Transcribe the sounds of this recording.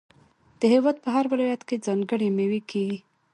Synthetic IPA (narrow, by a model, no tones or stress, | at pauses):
d̪̥əɦewɑd̪̚pəɦaɾwɪlɑjat̪ked͡zɑŋɡəɽemewikʰeɡi